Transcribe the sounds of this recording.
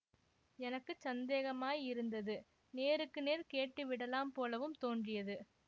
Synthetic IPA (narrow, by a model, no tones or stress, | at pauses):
ɛnɐkːɯsɐnd̪eːɣɐmaːjɪɾɯnd̪ɐðɯ | neːɾɯkːɯneːɾkeːʈːɯʋɪɽɐlaːmpoːlɐʋɯmt̪oːndrɪjɐðɯ